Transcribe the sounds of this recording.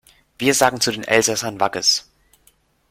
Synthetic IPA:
v̥iːɐzaːɡŋ̩t͡sudeːnʔɛlzasɐnvaɡəs

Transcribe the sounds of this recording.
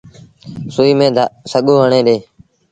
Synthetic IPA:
suːiːmẽːsəɠoːɦəɳeːɗeː

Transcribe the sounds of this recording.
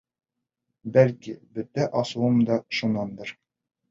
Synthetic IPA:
bælkibɵ̆t̪æʔɒsuwɤmd̪ɒʃunɑnd̪ɤɾ

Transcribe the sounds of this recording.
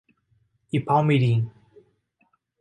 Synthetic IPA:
ipʰamiɾiŋ

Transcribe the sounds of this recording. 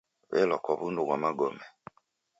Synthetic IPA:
βɛ̰lɔkwɔβundukamaɡɔmɛ

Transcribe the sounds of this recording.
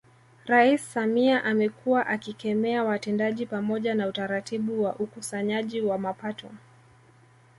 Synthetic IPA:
ɾaisːamiaʔamɛkʰuwaʔakikɛmɛawatɛndaʄipamɔʄanautaɾatiɓuwaʔukusaɲaʄiwamapatʰɔ

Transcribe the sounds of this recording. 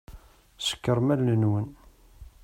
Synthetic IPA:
sə̥kːəɾmælːənwən

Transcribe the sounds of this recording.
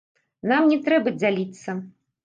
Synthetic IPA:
namnʲɛt̪ɾɛbɐd͡zʲalʲit̪sːɐ

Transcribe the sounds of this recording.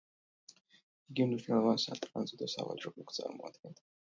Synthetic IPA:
iɡimniʃnɛlˠɔvansat̪ʼqʼanzɛd̪asa̰va̰d͡ʒɾɔbukʰt̪sʼa̰ɾmɔad̪̥ɡɛnt̪ʰ

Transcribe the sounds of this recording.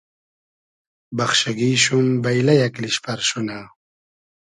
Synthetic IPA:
bɐxɕaɡiːɕumbɐjlɐjɐkliɕpɐɾɕuna

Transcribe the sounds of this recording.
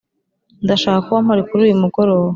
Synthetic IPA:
ndaʃaːkakuβamoɾekuɾuːjumuɡoɾo̞ːwa

